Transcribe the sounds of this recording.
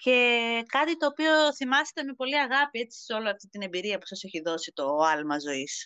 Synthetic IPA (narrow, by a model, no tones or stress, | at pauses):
ce̞kɐt̪it̪o̞ːpio̞θimɐse̥t̪emepo̞liɐɣɐpie̞t͡si̥seo̞loɐft̪it̪ine̞mbiɾiɐpu̥sɐse̞çiðo̞sit̪o̞ɐlmɐzo̞is